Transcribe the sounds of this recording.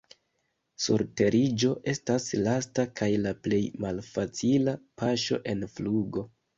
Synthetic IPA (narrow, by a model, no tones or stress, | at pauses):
sṵɾte̞ɾid͡ʒo̞ʔe̞staslastakʰajlaple̞jmalfat͡silapaʃo̞̰ʔe̞nfluɡo̞